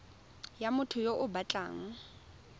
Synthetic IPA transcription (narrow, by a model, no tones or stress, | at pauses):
jamʊtʰʊjoʔʊbat͡ɬʼa̰ːŋ̩